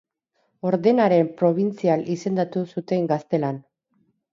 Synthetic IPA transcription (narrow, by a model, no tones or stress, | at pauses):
o̞ɾðe̞naɾe̞mpɾo̞β̞int͡sialise̞nd̪at̪usut̪e̞ŋɡast̪e̞lan